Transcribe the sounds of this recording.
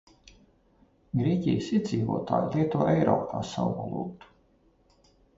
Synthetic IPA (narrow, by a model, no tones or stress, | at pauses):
ɡɾiɛcʲijsied̪ziːvo̰ɔːt̪a̰ːjlˠiɛt̪uɔʔɛjɾɔ̰ːpʰaːsa̰wba̰lˠṵːkt̪u̥